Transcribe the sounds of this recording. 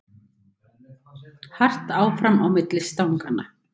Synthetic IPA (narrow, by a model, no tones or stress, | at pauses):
har̥t̪aːwfɾamawmɪt̪lɪst̪awŋkana